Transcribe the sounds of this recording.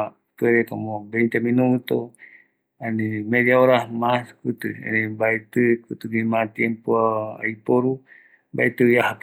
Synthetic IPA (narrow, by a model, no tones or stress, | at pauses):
a | t̪ueɾekamobent̪eminuut̪o | animediaoɾahmaskut̪ua̰nebait̪ukut̪uɡimat̪iempuaa̰ipoɾu | ba̰it̪ujahap